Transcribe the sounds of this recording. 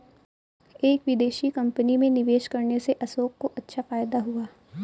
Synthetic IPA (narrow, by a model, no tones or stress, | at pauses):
eːkʋɪd̪eːʃikɐ̃mpənimẽnɪʋeːʃkɐɾneseʔɐsoːkkoʔɐtːʃʰafaːjd̪aɦuaː